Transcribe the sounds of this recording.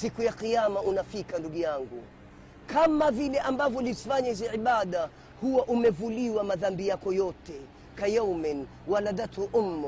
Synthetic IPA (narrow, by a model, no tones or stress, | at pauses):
sikujaqijamaʔunafikanduɠujaŋɡu | kamavilɛʔambavjɔlizifaɲahiziiɓaɗa | huwaʔumɛvuliwamaðambijakɔjɔtɛ | kajɔwmɛn | waladatʰuʔumːɔ